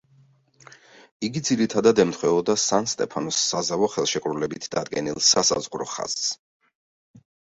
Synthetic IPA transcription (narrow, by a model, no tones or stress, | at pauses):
iɡid̪ziɾit̪ʰad̪ad̪ɛmt̪ʰχwɛɔd̪asanst̪ʼɛpʰanɔsːazavɔχɛlˠʃɛkʼɾulɛbit̪ʰd̪ad̪ɡɛnilˠsasa̰zʁɾɔχa̰z̥s